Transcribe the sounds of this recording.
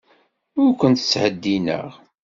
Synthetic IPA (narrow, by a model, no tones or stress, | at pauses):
ʊɾkʷənt̪ə̥t͡sːhəd̪ːinə̰ʁ